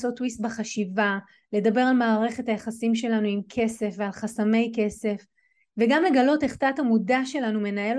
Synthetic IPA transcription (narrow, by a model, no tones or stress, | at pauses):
so̞t̪ːwist̪̚baχaʃiva | le̞dabe̞ʁalmaːʁe̞χe̞thajaχasimʃe̞lanuimkʰe̞se̞fvealχasame̞jke̞se̞f | veɡamle̞ɡalo̞teχtatamudaʃe̞lanume̞nael